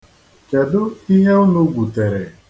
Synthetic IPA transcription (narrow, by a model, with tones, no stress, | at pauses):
ke˨dʊ˦i˦ɦe˦ʊ˦nʊ˦ɡʷu˨te˨ɾe˨